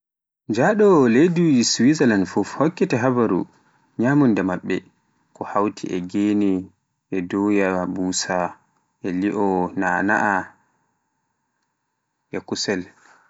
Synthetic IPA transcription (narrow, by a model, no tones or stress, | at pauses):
d͡ʒaɗɔlejduiswizalanfufhɔkːɛtɛɦabaɾṵ | ɲaːmundɛmaɓːɛ | kɔhawtʰḭʔɛɡenɛ | ʔɛdɔjabuːsa | ʔɛliʔɔnaːna̰ʔa | ʔɛkusɛl